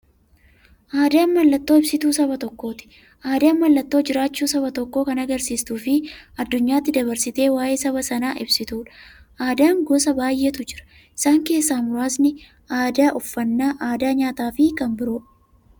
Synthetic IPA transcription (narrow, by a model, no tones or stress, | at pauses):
ʔaːd̪aɐnmɐlːɐt̪ːoːɪbsɪt̪uːsɐbɐt̪ɔkːo̞ːt̪ɪ̥ | ʔaːd̪aɐnmɐlːɐt̪ːo̞ːd͡ʒɪɾaːt͡ʃːuːsɐβɐt̪ɔkːo̞ːkɐnɐɡɐɾsiːst̪uːfɪɐd̪ːʊɲːaːt̪ːɪd̪ɐβɐɾsɪt̪e̞ːwaːjeːsɐβɐsɐnaːʔɪbsɪt̪uːᶑɐ̥ | ʔaːd̪aːŋɡoːsɐbaːjʔe̞ːt̪ʊd͡ʒɪɾɐ̥ | ɪsaːŋke̞ːsːaːmʊɾaːsnɪ | aːd̪aːʔʊfːɐnːaːʔaːd̪aːɲaːt̪aːfɪkɐmbɪɾoːᶑ